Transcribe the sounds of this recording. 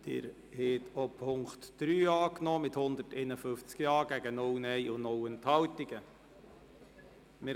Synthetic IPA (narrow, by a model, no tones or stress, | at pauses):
d̪̥ɪ̰ːɾ | hɛːtʰopʰʊŋktd̥ɾyːɑːknɔːmɪthʊnd̪ətɛnəfʏft͡skjɑːɡ̥æɡənʊlnɛɪʔʊnʊwənthɑwtɪɡ̥ə | mɪ